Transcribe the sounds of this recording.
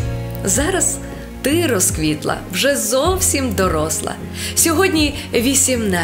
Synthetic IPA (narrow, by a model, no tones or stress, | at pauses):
zɑɾɐs | t̪ɪɾɔskʋʲit̪lˠɐ̰wʒɛzɔwsʲimd̪ɔɾɔslˠɐ̰ | sʲɔɦɔdʲnʲi | ʋʲisʲimnɑ